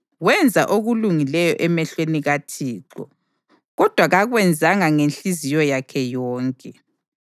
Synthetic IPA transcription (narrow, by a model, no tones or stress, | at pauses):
wɛnd͡zʱaʔoɣuluŋilɛjɔ̰ʔɛmɛɬweniɣatʰiːǃɔ̰ | ɣɔd̥ʱwaɣaɣwɛnd͡zʱaŋaŋenɬizijɔjakʰɛjɔːŋkʼɛ